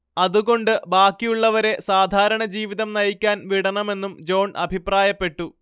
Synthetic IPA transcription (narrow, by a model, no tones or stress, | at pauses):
ɐðuɣo̞ɳɖɨbaːkːijuɭːɐʋɐɾe̞saːd̪ʱaːɾɐɳɐd͡ʑiːʋiðɐmnɐjikʲːaːnʋiɽɐɳɐme̞nːumd͡ʑo̞ːɳʔɐbʱipraːjɐpːe̞ʈːu